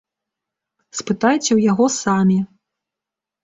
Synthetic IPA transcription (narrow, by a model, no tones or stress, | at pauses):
spɨt̪ajt͡sʲɛwjaɣɔsamʲi